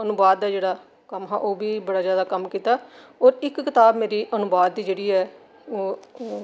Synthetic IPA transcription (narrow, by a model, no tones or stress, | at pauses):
ənʊbaːd̪aːd͡ʒeːɽaː | kəmɦɛ̰ːʔoːbiːbəɽaːzjaːd̪aːkəmkiːt̪aːoːɾɪkːɪt̪aːbmeːɾiːʔənʊbaːd̪̚ːiːd͡ʒeːɽiːɛː